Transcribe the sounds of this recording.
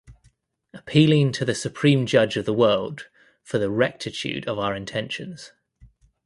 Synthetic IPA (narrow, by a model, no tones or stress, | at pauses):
əpʰiːlɪ̃ŋtʰəðəsəpʰɹ̥ĩːmd͡ʒʌd͡ʒəvðəwɜːlˠd̥ | fəðəɹɛk̚tʰɪt͡ʃʰʉ̰ːdəvaʊəɹɪ̃ntʰɛ̃nʃə̃nz̥